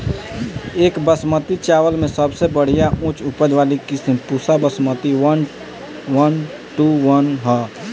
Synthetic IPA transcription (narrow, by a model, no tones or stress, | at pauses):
eːkbəsmət̪it͡ʃaːʋəlmẽsəbsebəɽ̤ijaʔũt͡ʃupəd̪ʋaːlikisimpuːsabəsmət̪iwən | wən | ʈuwənɦɛ